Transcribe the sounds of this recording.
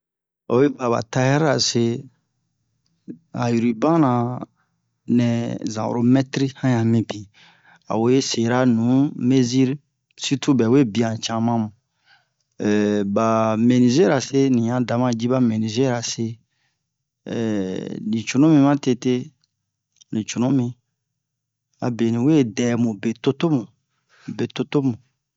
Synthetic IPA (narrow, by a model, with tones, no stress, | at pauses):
o̰˨we˦ba˨βa̰˨ta˦hɛ˦ɾa˨se˧ | a̰˨ju˨ɾi˨bã˦nã˨ | nɛ̃˨zã̰˨wo̰ɾo˦mɛ˦tɾi˦hã˦jã˨mĩ˨bi˨ | a̰˨wo˨˦e˦se˨ɾa˦nũ˨˦me˦zi˦ɾ | si˦tʰu˦bɛ˨we˦bi˨ã˨t͡ʃã˧mã˦mũ˨ | ɛ˨ba˨me˨nĩ˨ze˦ɾa˨se˦nĩ˨ã˨da˨mã˦d͡ʒi˦ba˦me˨nĩ˨ze˦ɾa˨se˦˨ | nĩ˨t͡ʃu˨nũ˦mĩ˧mã˦te˧te˦ | nĩ˨t͡ʃu˨nũ˦mĩ˧ | a̰˨be˨nĩ˨we˦˨dɛ˨mũ˨be˨to˦to˦mũ˨ | be˨to˦to˦mũ˨